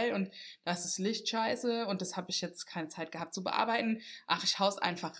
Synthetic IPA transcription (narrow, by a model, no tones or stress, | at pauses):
lʊntd̥aɪsɪslɪçtʃaɪsəʊnt̚d̥ashaːbɪçjɛt͡stkʰaɪnət͡saɪt̚ɡ̥əhaːp̚t̚t͡subə̰ʔa̰ɐbaɪtn̩ʔa̰χɪçhaʊsʔa̰ɪnfaχ